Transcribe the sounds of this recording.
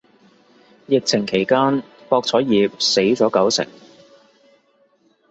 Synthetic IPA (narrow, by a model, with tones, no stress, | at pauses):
jɪ˨k̚t͡sʰɪ˨˩ŋkʰe˨˩jkaː˥npɔː˧k̚t͡sʰɔː˨˥jiː˨p̚se˨˥jt͡sɔː˨˥kɐ˨˥wt͡sʰɪ̰˨˩ŋ